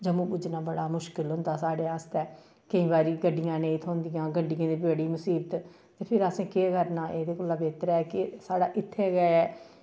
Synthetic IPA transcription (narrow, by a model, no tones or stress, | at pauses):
d͡ʒəmũːbʊd͡ʒnaːbəɽaːmʊʃkɪlɦʊ̃nd̪aːsaːɽeːaːst̪ɛː | kəĩːbaːɾiːɡəɖɪjãːnẽːĩːt̪ʰõːnd̪ijãːɡəɳɖɪjãːd̪iːbeːɽiːmʊsiːbət̪ | t̪eːpʰɪɾəsẽːkeːkəɾnaːʔeːd̪eːkoːlaːbeːt̪ɾɛɛkɪsaːɽaːʔɪt̪ʰːeːɡɛɛː